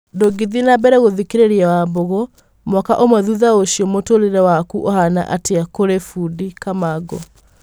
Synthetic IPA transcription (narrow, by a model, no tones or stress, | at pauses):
doɡiðinabɛɾɛɣoðikeɾeɾiawaboɣɔ | mwakaʔomwaðuðaoʃiɔmotoɾeɾɛwakuʔɔhana̰ʔateakoɾefudikamaɡɔ̰